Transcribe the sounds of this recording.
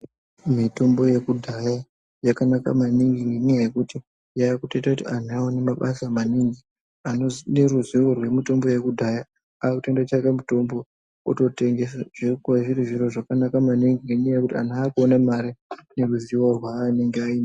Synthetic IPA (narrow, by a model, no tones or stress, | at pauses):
mito̞mbo̞je̞kudʱaja | jakanaka̰maniŋɡiinejekuti | jaːkutoitakutian̤uaonemaɓasamaniŋɡi | aoneruziworwe̞mito̞mbo̞je̞kudʱaja | aːkute̞ndat͡ʃakemito̞mbo̞ | oto̞te̞ŋɡe̞saʐ̥irikuaʐiriʐiro̞ʐakanakamaniŋɡiinejekutia̰n̤uaːkuonamaɾine̞ruziworwane̞ŋɡeaiːna